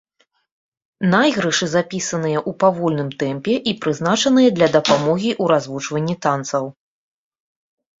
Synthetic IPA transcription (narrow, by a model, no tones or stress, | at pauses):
najɣɾɨʂɨzapʲisɐnɨjɐʔupavɔlʲnɨmt̪ɛmpʲɛʔipɾɨznat͡ʂɐn̪ɨjɐd̪lʲɐd̪ɐpamɔɣʲiʔuɾazvut͡ʂvɐnʲːit̪ant̪sɐw